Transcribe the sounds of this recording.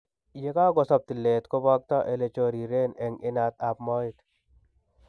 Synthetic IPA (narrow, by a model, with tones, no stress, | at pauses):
je˦ka˦ɡɔ˨sa˨p̚t̪i˨lːe˨t̪ko˦ba˦k̚t̪ɔ˦ʔe˨le˨t͡ʃoɾi˨ɾe˦nɛ˨ŋɪ˦na˨t̪a˨pmɔ˦it̪